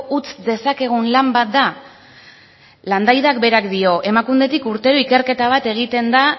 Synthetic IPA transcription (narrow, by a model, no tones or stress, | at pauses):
ut͡sd̪e̞sake̞ɣ̞unlambat̪̚d̪a | land̪ajðakbe̞ɾakd̪io̞ʔe̞makumde̞t̪ikuɾt̪e̞ɾuike̞ɾke̞t̪aβ̞at̪e̞ɣ̞it̪e̞nd̪a